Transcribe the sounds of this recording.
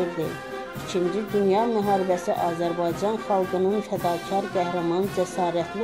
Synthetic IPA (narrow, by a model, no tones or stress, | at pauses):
iɾd̪ḭ | it͡ʃʰind͡ʒid̪ynjɑmæɦɑːɾibæsiʔɑːzæɾbɑjd͡ʒɑnχɑlˠɡɯnɯnfæd̪ɑːcʰɑɾɡæhɾɑmɑnd͡ʒæsɑːɾæt̪ʰli